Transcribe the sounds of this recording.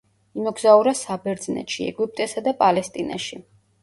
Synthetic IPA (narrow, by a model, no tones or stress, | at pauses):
imɔɡzauɾasabɛɾd̪znɛ̰t̪ʃiɛ̰ɡup̚ʼt̪ʼɛsad̪apʼalɛst̪ʼina̰ʃi